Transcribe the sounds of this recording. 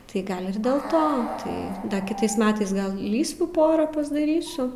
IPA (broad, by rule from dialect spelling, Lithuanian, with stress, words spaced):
tɐɪ ˈɡɐlʲ ɪr dʲeːlˠ ˈtoː tɐɪ ˈdɐ kʲɪˈtɐɪs ˈmʲæːtɐɪs ˈɡɐlˠ ˈlʲiːsʲʋʲuː ˈpoːrɐ pɐzdɐˈrʲiːsʲʊ